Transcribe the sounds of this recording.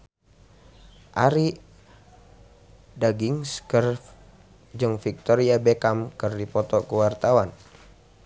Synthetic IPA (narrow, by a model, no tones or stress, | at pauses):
ʔaɾi | daɡiŋskər | d͡ʒɨŋfik̚t̪ɔɾiabɛkamkɨrdipɔt̪ɔkuwart̪awan